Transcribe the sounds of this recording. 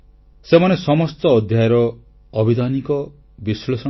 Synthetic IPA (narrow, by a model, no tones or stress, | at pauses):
semanesɔmɔst̪ɔːd̪ʱjajɾɔː | bʱid̪anikɔ | bislesɔ